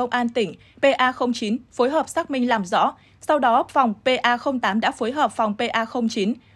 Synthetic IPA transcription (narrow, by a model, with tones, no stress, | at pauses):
ə˧wŋ͡mʔaː˧nt̪ï˧˩ŋ̟ | pe˧ʔaː˧xə˧wŋ͡mt͡ɕi˨˦nfo˨˦jɦəː˨˩p̚saː˦˥k̚mï˧ŋ̟laː˨˩mzɔ̰˧˥ | sa˧wɗɔ˨˦fa˨˩wŋ͡mpe˧ʔaː˧xə˧wŋ͡mt̪aː˨˦mɗa̰ː˧˥foː˨˦jɦəː˨˩p̚fa˨˩wŋ͡mpe˧ʔaː˧xə˧wŋ͡mt͡ɕi˨˦n